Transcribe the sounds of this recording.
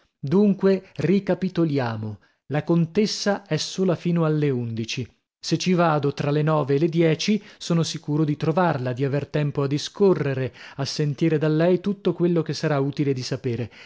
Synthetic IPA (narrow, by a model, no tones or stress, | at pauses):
d̪uŋkwerikapit̪oljaːmo | lakont̪esːaɛsːoːlafiːnoalːeund̪it͡ʃi | set͡ʃːivaːd̪ot̪ɾalenɔːveːlːed̪jɛːt͡ʃisoːnosikuːɾod̪it̪ɾovarlad̪iavert̪ɛmpoad̪ːiskorːeɾeasːent̪iːɾed̪alːɛjt̪ut̪ːokwelːok̟esːaɾauːt̪iled̪isapeːɾe